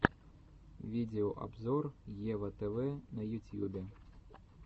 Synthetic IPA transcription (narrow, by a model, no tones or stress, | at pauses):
ʋʲid̪ʲeɔʔɐ̰bzɔrjɛʋɐt̪ɛʋɛnɐjʊt̪ʲjubʲɛ